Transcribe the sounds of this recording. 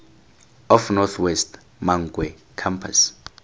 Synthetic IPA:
ɔfnɔt̪ʰwɛst | maŋɡwɛ | kʰampʰa̰s

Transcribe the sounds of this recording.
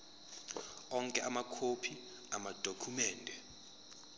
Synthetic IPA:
ɔŋkʼɛʔamakʰopʰi | amad̥ʱokʰumɛːndʱɛ

